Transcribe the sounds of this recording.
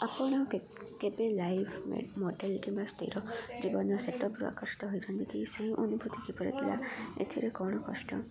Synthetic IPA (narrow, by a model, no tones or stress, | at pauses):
apɔɽ̃ɔ | kebelajpʰmḛmɔɖelkimbast̪ḭɾɔd͡ʒibɔnɔseʈɔpɾṵa̰kɔɾsi̥t̪ɔɦojt͡ʃʰɔnt̪ikiseɦĩʔonubʱut̪ikipɔɾḭt̪ʰila̰ḛt̪ʰiɾekɔɽ̃ɔkɔ̰sʈɔ̰